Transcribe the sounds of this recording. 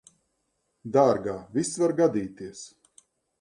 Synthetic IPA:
d̪aːɾɡaːvʲisvaɾɡad̪iːt̪iəs

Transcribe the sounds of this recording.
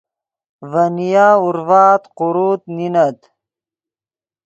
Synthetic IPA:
vɐnijaːuɾvaːt̪qʊɾuːt̪ninat̪

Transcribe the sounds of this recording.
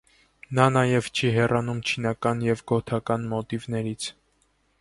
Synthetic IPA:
nɑnɑjɛvt͡ʃʰiɦɛrɑnumt͡ʃʰinɑkɑnjɛvɡɔt̪ʰɑkɑnmɔt̪ivnɛɾit͡sʰ

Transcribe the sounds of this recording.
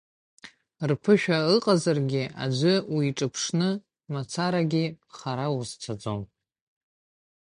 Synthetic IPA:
rpʰɨʃᶣaɨqʼazarɡʲɪʔa̰d͡ʒʷʏwiiʈ͡ʂʼɨpʰʂnɨ | mat͡sʰaɾaɡʲɪ | χaɾawuzt͡sʰad͡zom

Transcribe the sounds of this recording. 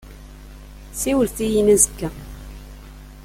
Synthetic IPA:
siwəlθijinæzəkːæ

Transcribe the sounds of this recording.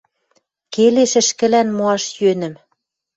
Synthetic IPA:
keleʃɘ̆ʃkɘ̆lænmoɑʃjønɘ̆m

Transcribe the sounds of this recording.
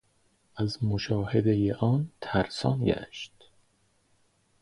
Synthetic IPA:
æzmoʃɒːhed̪ejeʔɒːnt̪ʰæɾsɒ̰ːnɟæ̰ʃt̪

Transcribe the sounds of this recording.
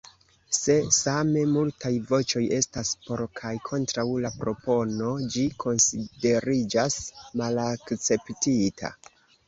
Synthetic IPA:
se̞same̞multajvo̞t͡ʃo̞je̞staspo̞ɾkʰajkʰo̞ntɾawlapɾo̞po̞no̞d͡ʒikʰo̞nside̞ɾid͡ʒasmalakt͡se̞ptitʰa̰

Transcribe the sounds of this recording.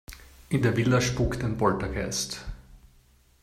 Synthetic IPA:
ʔɪndeːɐvɪldɐʃpuktaɪnbɔltɐɡ̥ɛ̰st

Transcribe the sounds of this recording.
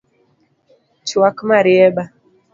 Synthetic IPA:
t͡ʃiwakmaɾiɛɓa

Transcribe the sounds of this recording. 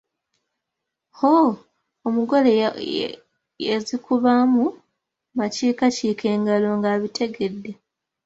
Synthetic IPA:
ho | omuɡo̞le | jezikuβamu | maciːkaciːkʰe̞ːŋɡalo̞ŋɡaːβitʰe̞ɡe̞dːe̞

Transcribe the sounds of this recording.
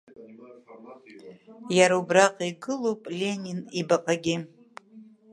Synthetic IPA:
jaɾaubraqʼiɡɨlowpʼlʲe̞nʲinibaqʼaɡʲi

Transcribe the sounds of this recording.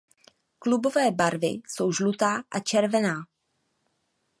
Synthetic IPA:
klubo̞vɛːbaɾvɪ̰so̞wʒlut̪aːʔat͡ʃɛɾvɛnaː

